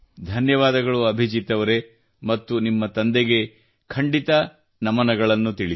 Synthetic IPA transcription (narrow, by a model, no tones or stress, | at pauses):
d̪ʱɐnjɐʋaːd̪ɐɡɐɭuɐbʱid͡ʒit̪ːɐʋɐɾe̞ | mɐt̪ːunimːɐt̪ɐnd̪eɡe̞ | kʰɐɳɖit̪ɐ | nɐmɐnɐɡɐɭɐnːut̪iɭi